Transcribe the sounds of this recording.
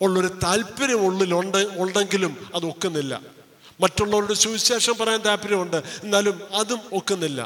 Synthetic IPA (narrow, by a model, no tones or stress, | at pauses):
oɭːo̞ɾut̪aːlpːɐɾɐmoɭːiloɳɖoɳɖe̞ŋɡilumɐðo̞kːenːilːɐ̰ | mɐtːuɭːɐʋɐɾuɽusuːiɕeːʂɐmpɐrɐjant̪aːpːiɾɐmuɳɖɨe̞nːaːlumɐðumo̞kːenːilːɐ̰